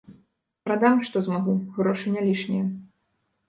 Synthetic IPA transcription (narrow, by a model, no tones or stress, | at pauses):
pɾad̪amʂt̪ɔzmaɣuɣɾɔʂɨnʲalʲiʂnʲijɐ